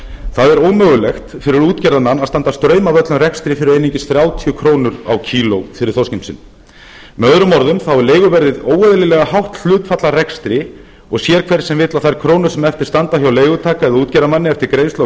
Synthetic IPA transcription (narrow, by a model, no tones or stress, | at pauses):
θaðɛɾoːwmœːɣʏlɛxt̪fɪɾɪɾuːt̪cɛɾðamanːaðst̪ant̪ast̪ɾœːɥmavœt̪lʏmrɛkst̪ɾɪfɪɾɪɾeːjniɲcɪsθɾjaːwt̪ʰiʏkʰɾoːwnʏɾa̰wcʰiːlowfɪɾɪɾ̥θowscemsɪ̰n | mɛœðɾʏmɔɾðʏmθawɛɾleːjɣʏvɛɾðɪðoːwœðlɪlɛɣahawht̪l̥ʏːt̪fat̪larɛkst̪ɾɪ | ɔɣsjɛːɾ̥kʰvɛɾ̥sɛmvɪt̪laθajɾkʰɾoːwnʏɾ̥sɛmɛft̪ɪɾ̥st̪ant̪ahjawleːjɣʏt̪ʰaːkaɛðauːt̪cɛɾðamanːɪɛft̪ɪɾkɾeːjso